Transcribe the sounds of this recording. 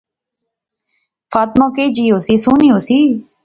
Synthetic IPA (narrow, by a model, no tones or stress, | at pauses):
faːt̪mãːkeːd͡ʒiːosiːsuːniːoːsiː